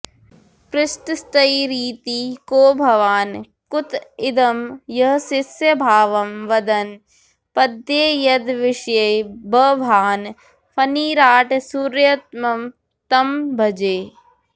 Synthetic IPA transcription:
pɾɪʃʈst̪ɐiɾiːt̪iːkoːbʱɐʋaːn | kʊt̪ɪd̪ɐmjɐɦsɪsjɐbʱaːʋɐmʋɐd̪ɐn | pɐd̪jeːjɐd̪ʋɪʃjɐjbɐʋʱaːn | pʰɐniːɾaːʈsuɾjɐt̪̚mɐm | t̪ɐmbʱɐd͡ʒeː

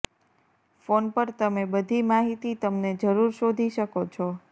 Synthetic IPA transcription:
fonpəɾt̪əmebəd̪ʱimaɦit̪it̪əmned͡ʒəɾuɾʃod̪ʱiʃəkot͡ʃʰɔ

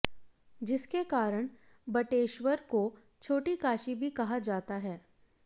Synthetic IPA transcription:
d͡ʒɪskekaːɾəɽ̃ | bɐʈeːʃʋəɾko | t͡ʃʰoːʈikaːʃibʱikɐɦad͡ʒaːt̪aɦɛː

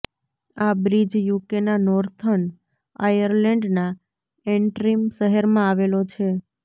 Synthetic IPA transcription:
abɾid͡ʒjukenanɔɾt̪ʰən | ajəɾlɛɳɖna | eɳʈɾimʃəɦəɾmãaʋelot͡ʃʰe

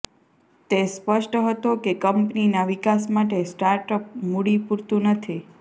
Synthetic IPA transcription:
t̪espəʃʈəɦət̪okekəmpninaʋɪkasmaʈesʈaɾʈəp̚muɽipuɾt̪ũnət̪ʰi

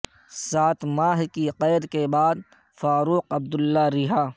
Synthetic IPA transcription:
saːt̪ʰmaːɦkiqɛːd̪kebaːd̪ | faːɾuːqɐb̚d̪ʊlːaɾɪɦaː

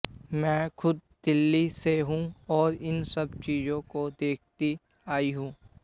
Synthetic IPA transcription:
mɛ̃ːxʊd̪̚d̪̥ɪlːiseɦũɔːɾɪnsɐb̚t͡ʃiːzõkod̪eːk̚ʰt̪i | aːiɦũː

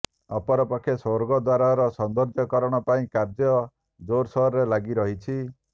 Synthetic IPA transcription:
ɔpɔɾɔpɔkʰesoɾɡɔd̪waɾaɾɔsɔnd̪ɔɾd͡ʒɔkɔɾɔɽ̃ɔpaĩkaɾd͡ʒɔ | d͡ʒoɾsɔɦɔɾɾelaɡiɾɔɦit͡ʃʰi

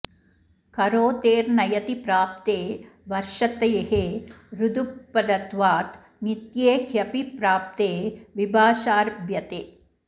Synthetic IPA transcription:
kɐɾoːt̪eːɾnɐjɐt̪ipɾaːp̚t̪eːʋɐɾʃɐt̪ɐjɐɦeːɾud̪upːɐd̪ɐt̪ʋaːt̪ | nit̪jeːkʰjɐpipɾaːp̚t̪eːʋibʱaːʃaːɾbʱjɐt̪eː

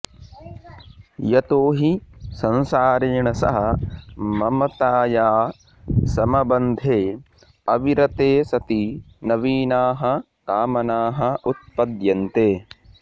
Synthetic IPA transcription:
jɐt̪oːɦisɐnsaːɾeːɳɐsɐ̰ɦɐ | mɐmɐt̪aːjaː | sɐmɐbɐnd̪ʱeː | ɐʋiɾɐt̪eːsɐt̪i | nɐʋiːnaːɦɐ | kaːmɐnaːɦɐʔut̪̚pɐd̪jɐnt̪eː

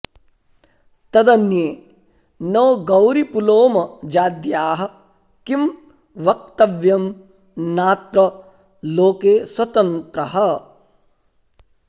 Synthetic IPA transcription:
t̪ɐd̪ɐnjeː | nɐːɡɐwɾipuloːmɐd͡ʒaːd̪jaːɦɐ̆ | kim | ʋɐk̚t̪ɐʋjɐm | naːt̪ɾɐ | loːkeːswɐt̪ɐnt̪ɾɐɦɐ

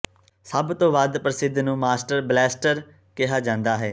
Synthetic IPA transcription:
səbt̪õːʋəd̪pɾɪsɪd̪nũːmaːsʈəɾblɛːsʈəɾ | kɪɦaːd͡ʒãːnd̪aːɦɛː

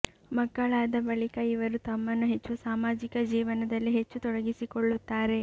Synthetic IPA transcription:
mɐɡːɐɭaːd̪ɐbɐɭikɐiʋɐɾut̪ɐmːɐnːuɦe̞t͡ʃːusaːmaːd͡ʒikɐd͡ʒiːʋɐnɐd̪ɐlːiɦe̞t͡ʃːut̪ɔɽɐɡisikoɭːut̪ːaːɾe̞

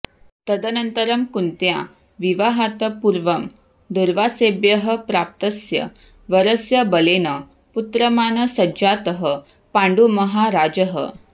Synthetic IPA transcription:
t̪əd̪ənənt̪əɾəmkunt̪ja̰ | ʋiʋaɦat̪əpuɾʋəm | d̪uɾʋasebjəɦəpɾap̚t̪əsjə̰ | ʋəɾəsjəbəlenə | put̪ɾəmanəsɐd͡ʑat̪əɦə | paɳɖuməɦaɾad͡ʑəɦə̰

